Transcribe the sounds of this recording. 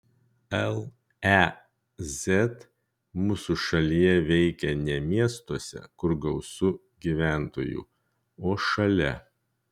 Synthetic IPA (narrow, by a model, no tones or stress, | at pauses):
ɛlˠ | ɛ | zʲɛt̪ | muːsuʃɐlʲijɛʋʲɛɪkʲɛnʲɛmʲiɛst̪uɔsʲɛ̰kʊɾɡɐʊsʊ | ɡʲiʋʲæˑnt̪o̰ːjṵːˑ | oːʃɐlʲɛ̰